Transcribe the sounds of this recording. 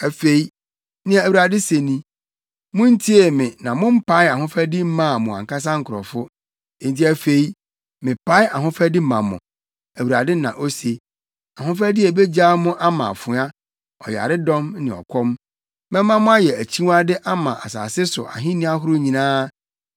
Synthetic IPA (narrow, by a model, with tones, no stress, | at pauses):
æ˨fe˦i˦ | nɪ̃˦a˨æ˨wu˨ɾa˨dɪ˦se˨nĩ˦ | mʊ̃˦n̩˦tʰi˦e˨mɪ̃˨nã˨mʊ̃˦m̩˦pʰa˦ɪ˦a˨ɦʊ̃˦fa˦dɪ˦m̩˦mã˦˨mʊ̃˨ã̰˨ŋka˦s̬ã˦ŋ̩˨kʰʊ˨ɾɔ̰˨fʊ˦ | e˨n̩˨ti˦æ˦fe˨i˦ | mɪ̃˨pʰa˦ɪ˦a˨ɦʊ̃˦fæ˦di˦mã˨mʊ̰̃˨ | æ˨wu˨ɾa˨dɪ˦nã˨ʔo˦se˨ | a˨ɦʊ̃˦fɾæ˦dɪ˦e˨be˦d͡ʑaː˦mʊ̃˦ʔa˦mã̰˨fʊ˨˦a˦ | ɔ̰˨ja̰˨ɾɪ˦dɔ̃˦mnɪ̃˨ɔ̰˨kʰɔ˦m | mɛ̃˦mːã˦mʊ̃˦a˦jɛ˨æ˨t͡ɕʰi˦wa˦dɪ˦ʔa˦mã˨ʔa̰˨sa̰ː˨sɪ˦sʊ̰˨ʔa̰˨ɦɪ̃˦nĩ˦a˦ɦʊ˦ɾʊ˦ɲĩ˨nãː˦